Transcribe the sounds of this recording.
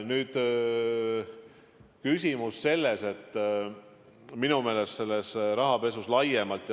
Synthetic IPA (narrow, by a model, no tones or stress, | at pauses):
nyːd̪̥ | kysʲimusːe̞lːe̞se̞t̪ˑː | minume̞ːle̞st̪se̞lːesɾɑɦɑpe̞suslɑjemɑlt̪ˑj